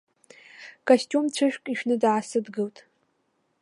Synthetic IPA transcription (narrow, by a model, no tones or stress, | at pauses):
kʰʼaɕt͡ʃʲʼomt͡ɕʷʰɨʃᶣkʼiʃᶣnɨdʕasɨdɡɨltʼ